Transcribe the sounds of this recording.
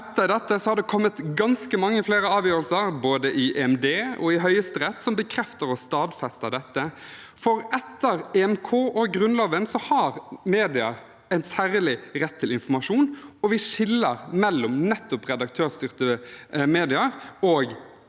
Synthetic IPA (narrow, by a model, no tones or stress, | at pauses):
ɛt̪ːəd̪ɛt̪ːəsɔhɑɾd̪ɛkʰɔmːət̪ɡɑnskəmɑŋːəfleːɾəɑːʋjøːɾəlsəɾboːd̪əʔɪʔeɛmd̪eːɔ̰ɪɦœʏəst̪əɾɛt̪ːsɔmbəkʰɾɛft̪əɾɔst̪ɑːd̪fɛst̪ɑd̪ɛt̪ːə | fɔɾɛt̪ːəɾɛɛmkʰoːʔɔɡɾʉnlɑːʋənsɔhɑɾmeːd̪ɪəɾ | ɛɪnsæːɾəlɪɾɛt̪ʰːɪlɪnfɔmɑʂuːnɔʋɪʂɪlːəɾmɛlːɔmnɛt̪ːɔpʁɛd̪ɑk̚t̪ʰøːst̪ʏʁt̪əmeːd̪ɪɑɾɔːɡ